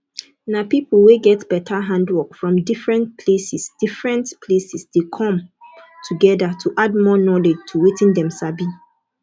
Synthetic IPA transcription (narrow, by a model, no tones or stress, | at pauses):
napipl̩weɡɛtb̥ɛtʰaɦãndwɔkfɹɔ̃mdifɹɛ̃ntpʰlesisd̥ifɹɛ̃ntpʰlesisd̥ekʰɔ̃mtʰuɡɛdatʰuʔad̚mɔnɔlɛd͡ʒtʰuwetĩndɛ̃msabi